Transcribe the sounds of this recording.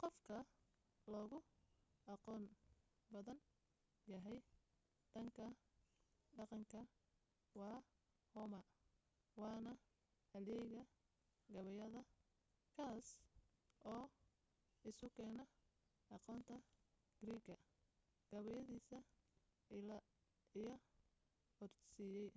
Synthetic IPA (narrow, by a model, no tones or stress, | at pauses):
qɔfkʰɐ | lɔːɣʊʔɑqɔːn | bɐðɐn | jɐɦɛj | d̪̥ɐŋkʰɐ | ɖɑqɑŋkʰɐ | wɑː | hɔmɐ | wɑːnɐ | hɐlɛjɣɐ | ɡɐβɛjɐðɐ | kʰaːs | ʔɔː | ɪsʊkʰɛːnɐ | ʔɑqɔːnt̪ʰɐ | ɡ̥ɾiːɡɐ | ɡ̥ɐβɛjɐðiːsɐ | l | ɪjɐ | hɔrsiːjɛj